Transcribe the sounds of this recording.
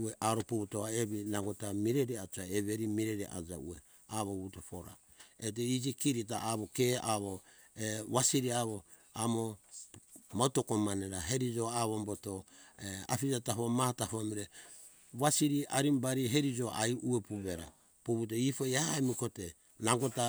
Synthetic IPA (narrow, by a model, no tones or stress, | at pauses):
eʔaɾopuβutoaeβinaɡotamiɾeɾiat͡ʃuaeβeɾimiɾeɾiʔa̰d͡ʒa̰ṵḛ | aβoβutopoɾa̰ | et̬eid͡ʒikiɾit̬aaβokeaβo | eβasiɾiaβo | amo | mautokomaneɾaɦeɾid͡ʒoaβombotoea̰pid͡ʒataɦomatahuamiɾe | βasiɾiaɾimbaɾiɦeɾid͡ʒoʔajʔuepuβeɾa̰ | puβutoipojaemikote | naɡota